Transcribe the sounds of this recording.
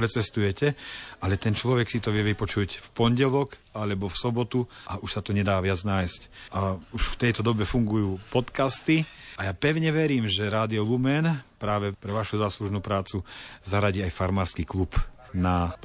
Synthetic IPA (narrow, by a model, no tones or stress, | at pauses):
pɾɛt͡sɛst̪ujɛcɛalɛt̪ɛnt͡ʃlɔʋɛksit̪ɔʋɪɛʋipɔt͡ʃucfpɔɲɟɛlɔk | alɛbɔfsɔbɔt̪uʔaʔuʃsat̪ɔɲɛd̪aːʋɪad͡znaːjscʔauʃft̪ɛjt̪ɔd̪ɔbɛfuŋɡujuːpɔt̪kast̪iajapɛʊɲɛʋɛɾiːmʒɛɾaːd̪iɔlumɛnpɾaːʋɛpɾɛʋaʃuzaːsluʒnuːpɾaːt͡suzaɾaɟiːajfaɾmaːɾskiːklup | na